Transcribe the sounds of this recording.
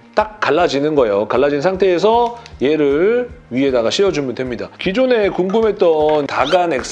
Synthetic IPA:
t͈ak̚k͈aɭːad͡ʑinɯnɡʌejokaɭːad͡ʑinnsʰaŋtʰe̞ːs̬ʰʌje̞ɾɯɭɥie̞daɡaɕʰiʌd͡ʑumɯndwe̞mɲidakid͡ʑone̞kuŋɡɯmɦe̞t̚t͈ʌntaɡane̞k̚s͈

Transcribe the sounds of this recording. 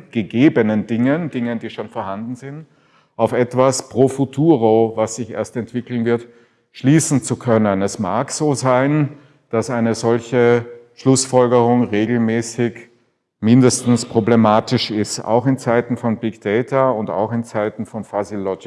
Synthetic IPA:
ɡ̥əɡeːbənəndɪŋəndɪŋənd̥iːʃoːnfoːɐhandn̩zɪnt | ʔaʊfɛtv̥aspʁ̥oːfutʰuːʁovasz̥ɪçʔḛːɐstɛntv̥ɪkl̩nvɪɐt | ʃliːsn̩t͡sukʰœnənɛsma̰ːkz̥oːzaɪn | d̥asaɪnəzɔlçəʃlʊsfɔlɡəʁʊŋʁeːɡl̩mɛːsɪç | mɪndəstn̩spʁ̥oblemaːtɪʃɪsta̰ʊxɪnt͡saɪtn̩fɔnbɪkd̥ɛɪtʰɐʊnta̰ʊxɪnt͡saɪtn̩fɔnfazilɔɡɪ

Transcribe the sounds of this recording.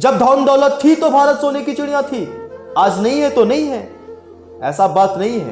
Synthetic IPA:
d͡ʒɐb̚d̪ʱaːnd̪ɔːlət̪ʰːit̪obʱaːɾət̪soːnekit͡ʃʊɽ̃ijãt̪ʰiaːd͡ʒnɐɦĩɦɛt̪onɐɦĩɦɛː | ɛːsabaːt̪nɐɦĩɦɛ̰ː

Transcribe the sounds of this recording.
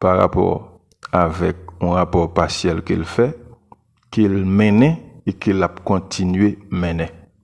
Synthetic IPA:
paʁa̰pɔ̰ʁ | avɛk̚ũʁapɔʁpasjɛlkḛlfɛ | kelmɛ̃nɛ̃ekelap̚kɔ̃t̪ʰinɥemɛ̃nɛ̃

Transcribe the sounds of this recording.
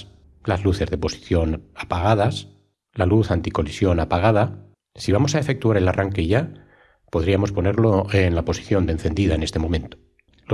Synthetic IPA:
lazluθe̞zðe̞po̞si̥θjo̞napaɣ̞að̞as | laluθant̪iko̞lisjo̞napaɣ̞að̞a | siβamosae̞fe̞k̚t̪uaɾelarʔaŋke̞ʝa | po̞ð̞ɾiamo̞spo̞neɾlo̞enlapo̞si̥θjo̞nd̪enθe̞nd̪iðaene̞st̪emomẽ̞nt̪o̥ | lo

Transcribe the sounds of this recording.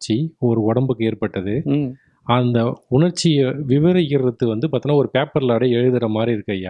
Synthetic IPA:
t͡ʃːiɔɾɯɔɽɐmbɯkːeːɾpɐʈːɐðɯ | ɐnd̪ɐʊɳɐɾt͡ʃːɪjɐʋɪʋɐɾɐjɪɾɾɐt̪ːɯʋɐnd̪ɯpaːɾt̪iŋnːaːɔɾɯpeːpːɐɾlaːɽɐɛɻɯðɯɾɐmaːd̪ɾiɪɾɯkːɐja̰ː

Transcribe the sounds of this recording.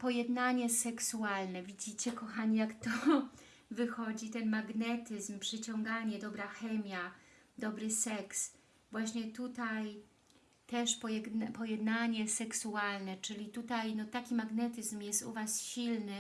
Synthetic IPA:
pɔjɛd̪naɲɛsɛksualnɛvʲid͡ʑit͡ɕɛkɔxaɲijakt̪ɔ | vɘxɔd͡ʑit̪ɛnmaɡnɛt̪ɘzmpʂɘt͡ɕɔŋɡaɲɛd̪ɔbɾaxɛmʲja | d̪ɔbɾɘsɛks | vwaɕɲɛt̪ut̪aj | t̪ɛʂpɔjɛnpɔjɛd̪naɲɛsɛksualnɛt͡ʂɘlʲit̪ut̪ajnɔt̪akʲimaɡnɛt̪ɘzmjɛst̪ṵvasɕilnɘ

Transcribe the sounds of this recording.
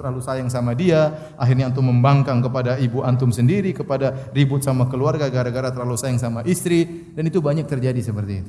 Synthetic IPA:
t̪ərlalusajaŋsamadia | ʔaɦirɲant̪ʊməmbaŋkaŋkəpadaibuʔant̪ʊmsəndiɾikəpadaribʊt̪̚samakəluarɡaɡaɾaɡaɾat̪ərlalusajaŋsamaʔist̪ɾi | danit̪ubaɲak̚t̪ərd͡ʒadisəpərt̪iːt̪u̥

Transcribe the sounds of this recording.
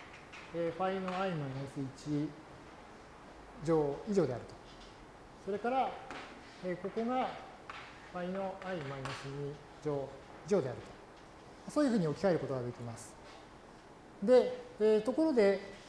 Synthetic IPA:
eːɸaino̞aimaiosɨit͡ɕi | d͡ʑo̞ːiʑo̞ːd̪e̞aɾɯ̟t̪o̞̥ | so̞ɾe̞kaɾa | eːko̞ko̞ɡa | ɸaino̞ʔaimainosɨɲi | d͡ʑoː | iʑo̞ːd̪e̞aɾɯ̟t̪o̞̥ | maso̞ːjiɯ̟ɸɯ̟ːɲio̞kʲikae̞ɾɯ̟ko̞t̪oɡad̪e̞kʲimasɨ̥ | d̪e̞eːt̪o̞ko̞ɾo̞d̪e̞

